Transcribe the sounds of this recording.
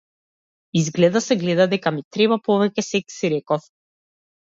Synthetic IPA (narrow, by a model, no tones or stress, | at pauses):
izɡlɛd̪asɛɡlɛd̪ad̪ɛkamit̪ɾɛbapɔvɛcʲɛsɛksiɾɛkɔf